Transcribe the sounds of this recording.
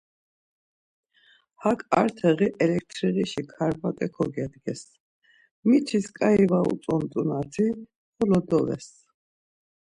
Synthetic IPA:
hakʰʼaɾt̪ʰɛɣiʔɛlɛk̚ʰt̪ʰɾiʁiʃikʰaɾbat̪ʼɛkʰɔɡɛd̪ɡɛs | mit͡ʃʰiskʼaivaṵt͡s̪ʼɔmt̪ʼunat̪ʰi | χɔlɔd̪ɔvɛ̰s

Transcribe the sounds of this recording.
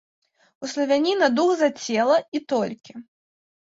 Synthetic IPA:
uslˠɐvʲanʲinɐd̪uɣzat͡sʲɛlˠɐit̪ɔlʲkʲi

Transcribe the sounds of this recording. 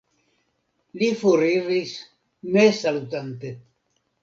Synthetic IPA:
lifuɾiɾis | mesalut̪ant̪e

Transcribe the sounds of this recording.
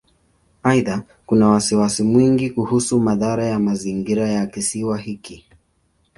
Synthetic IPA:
aiða | kunawasiwasimwiŋɡikuhusumaðaɾajamaziŋɡiɾajakisiwaɦiki

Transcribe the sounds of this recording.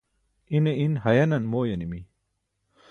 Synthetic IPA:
ineinhɐjɐnɐnmoːjɐnimi

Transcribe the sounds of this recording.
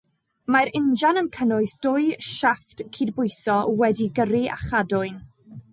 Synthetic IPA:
maɾɪnd͡ʒanəmkʰənʊɨsd̥ʊɨʃaftkʰiːdbʊɨsɔwɛdiɡəɾɪa̰χadʊɨn

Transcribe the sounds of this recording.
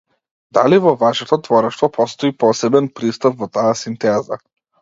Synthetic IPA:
d̪a̰livɔvaʃɛt̪ɔt̪vɔɾɛʃt̪vɔpɔst̪ɔipɔsɛbɛnpɾist̪apvɔt̪aːsint̪ɛza̰

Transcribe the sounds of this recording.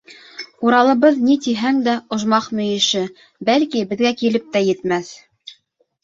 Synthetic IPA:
uɾɑlˠɤ̆βɤðnit̪iɦæŋd̪æŏʒmɑqmɵ̆jɘ̆ʃɘ | bælkibɘ̆ðɡækilɘp̚t̪æjɘ̆t̪mæθ

